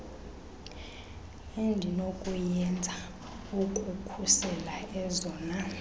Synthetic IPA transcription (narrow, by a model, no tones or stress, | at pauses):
indʱinokʼujɛnd͡zʱa | ukʼukʰusɛlaɛzɔːna